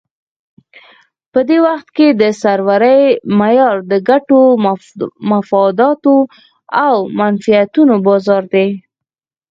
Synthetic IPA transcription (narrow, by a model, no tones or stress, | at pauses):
pəd̪ewaxt̪ked̪əsaɾwaɾəjmajɑɾd̪əɡaʈo | mafɑd̪ɑt̪o | awmanfijat̪unobɑzɑɾd̪e